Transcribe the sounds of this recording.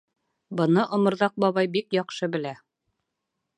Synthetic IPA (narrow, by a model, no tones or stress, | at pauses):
bɤ̆nɤʔŏmŏɾðɑq̚bɒβɑjbikjɒqʃɤbɘ̆læ